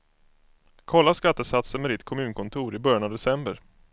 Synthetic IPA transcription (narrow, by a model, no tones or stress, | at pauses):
kʰɔlːaskat̪ːəsat̪sənmɛd̪ɪt̪kʰɔmʉ̟ːnkʰɔnt̪ʰuːɾɪbœɾjanavd̪ɛsɛmbəɾ